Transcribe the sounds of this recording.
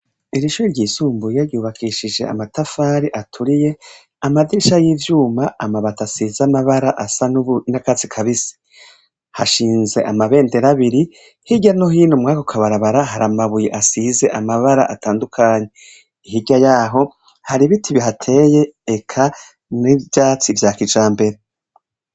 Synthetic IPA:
iɾiʃuːiɾɟiːsuːmbujaɾɟuːβakʰiʃid͡ʒe̞̰a̰matafaːɾiʔatʰuɾije̞ | amadiʃajiːvjuːmaʔamaβatasizamaβaɾaʔasanunakazikʰaβisi̥ | haʃiːnze̞̰ʔamaβe̞ːnde̞ɾaβiɾi | hiɟanoɦiːnumŋaːkokʰaβaɾaβaɾaɦaɾamaβujeʔasize̞ʔamaβaɾa̰ʔataːndukʰaːɲe̞ | iɦiɡɟajaːɦo̞ | haɾiβitʰiβiɦatʰe̞ːjeːkʰa | nivjaːt͡sivjaːkid͡ʒaːmbe̞ɾe

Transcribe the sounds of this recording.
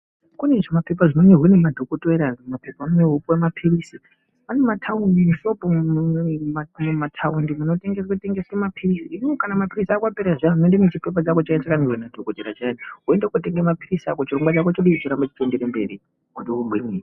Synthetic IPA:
kune̞ʐomape̞p̬aʐinoɲeɦwenemadʱokoteɾamapepanoɲeopemapʰirisi | ane̞matʰaundimuʃo̞po | amumatʰaundimuno̞teŋɡesate̞ŋɡesemapʰirisiiniokanamapirisiaːkwapeɾaʐamunondenet͡ʃipe̞p̬at͡ʃakot͡ʃaet͡ʃakanirwenadʱokoteɾat͡ʃanɦuendekute̞ŋɡemapirisakot͡ʃiro̞ŋɡwat͡ʃakot͡ʃoɗiit͡ʃiɾambat͡ʃi̥tendeɾembeɾi | kuɗoumbwiniːi

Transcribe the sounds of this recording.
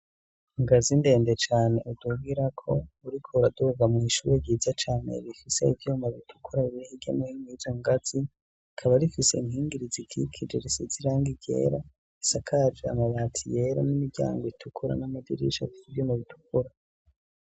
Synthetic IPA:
ŋɡazinde̞ːndet͡ʃaːne̞ʔuduβiɾakʰo̞uɾikʰouɾaduvamŋiːʃuːɾeɡɟiːzat͡ʃaːne̞̰βifise̞ivjuːmaβitʰu̥kʰuɾaiβihiɡamuhiŋɡizaŋɡat͡si | kʰaβaɾifise̞̰imhiːŋɡiɾizikʰikʰid͡ʒeɾisiziɾaːŋɡiɟe̞̰ɾa | isakʰad͡ʒea̰maβaːtʰije̞ɾo̰nimiɾɟa̰ːŋɡoitʰukʰuɾa̰namadḭɾḭʃakiivjuːmaβitʰu̥kuɾa

